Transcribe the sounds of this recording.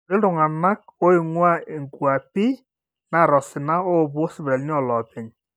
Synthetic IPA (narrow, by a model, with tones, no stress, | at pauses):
ɾɪ˦dʊ˨ŋa˨na˦k̚o˦ɪ˨ŋwa˦e˨ŋkwa˨pɪ˦ | na˨ɾɔ˨sɪ˨na˦o˦˨bwɔ˦sɪ˦bɾa˨lnɪ˦ɔ˦˨lɔ˨pɪ˨ɲ